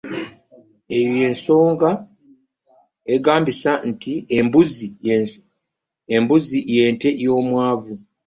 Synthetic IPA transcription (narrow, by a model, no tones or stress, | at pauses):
e̞βje̞ːnso̞ːŋɡa | e̞ɡaːmbisantiembuzi | embuzije̞ːnte̞jo̞ːmwaːvu